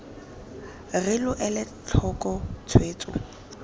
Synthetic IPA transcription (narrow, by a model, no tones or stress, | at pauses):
rɪlʊʔɛlɪ | t͡ɬʰɔkʼɔt͡sʰweːt͡sʼʊ̰